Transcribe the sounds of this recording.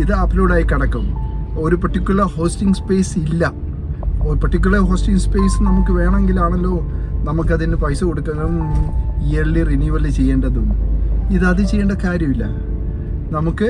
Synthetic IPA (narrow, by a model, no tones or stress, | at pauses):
iðɨɐpːloːɽaːjikɐɽɐkːɐmo̞ɾupɐʈːikʲːjulɐrho̞ːstiŋɡspe̞ːsilːɐ | opɐʈːik̬ʲjulɐrɦo̞ːstiŋɡspe̞ːsɨnɐmukːɨʋe̞ːɳɐeŋɡilaːɳelːo̞ː | nɐmukːɐðinepɐjsɐko̞ɽukːɐɣɐmijeɭːirinjuʋɐlt͡ɕe̞jːeːɳɖɐðumiðɐðɨt͡ɕe̞jːeːɳɖkaːɾjɐmilːɐ̰ | nɐmukːɨ